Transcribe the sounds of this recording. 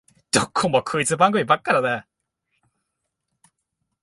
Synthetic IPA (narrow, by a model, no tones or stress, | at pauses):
d̪̥okʰːomokʰɯit͡sɨbãŋɡɯ̟mʲibakːaɾad̪e